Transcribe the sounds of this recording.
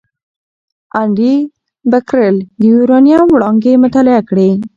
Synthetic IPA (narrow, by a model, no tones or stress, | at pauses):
aɳɖi | bakɾəld̪əjuɾɑnijɑwɽɑŋɡemʊt̪ɑlɪakɽe